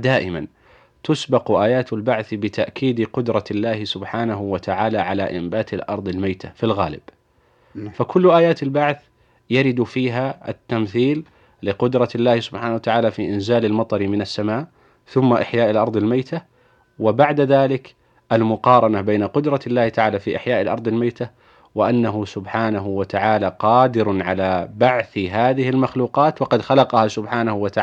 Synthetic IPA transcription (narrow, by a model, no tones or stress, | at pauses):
d̪aːʔɪma̰n | t̪ʊsbɪqʔaːjaːt̪albaʕθbɪt̪ʰaʔkʰiːd̪qʊd̪ɾˤɑlːaːhɪsʊbħaːnaɦʊwat̪aʕaːlaʕala̰ʔɪmbaːt̪ɪlʔɑ̰ɾˤd̪ˤɪlmajt̪ʰafilɣa̰ːlɪ̰b | fakʊlːʔaːjaːt̪albaʕθ | jaɾɪd̪fiːɦaʔa̰t̪ːamθiːlː | ɪqʊd̪ɾˤɑlːaːhsʊbħaːnawat̪aʕaːlafiːʔɪnzaːlalmɑt̪ˤɑɾmɪnasːamaːʔ | θʊmːaʔaħjaːʔalʔɑɾˤd̪ˤɪlmajt̪a | wɪbaʕd̪aðaːlɪk | ʔalmʊqɑːɾˤɑnabeːnaqʊd̪ɾˤɑlːaːht̪aʕaːlafiːʔaħjaːʔalʔɑɾˤd̪ˤɪlmajt̪a | wɪʔanːaɦʊsʊbħaːnaɦʊwat̪aʕaːlaqɑːd̪ɪɾʕalabaʕθɦaːðɪhɪlmaxluːqɑːt̪wɑqɑd̪xalɑqɑhasʊbħaːnahʊwat̪aʕ